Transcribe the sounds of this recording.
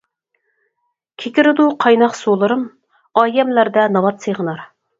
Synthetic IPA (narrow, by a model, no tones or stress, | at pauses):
kʲʰekʲiɾɪd̪uqʰɑjnɑqsolˠɨɾɨm | ɑːjɛmlæɾd̪ɛnɑvɑt̪seʁənɑɾ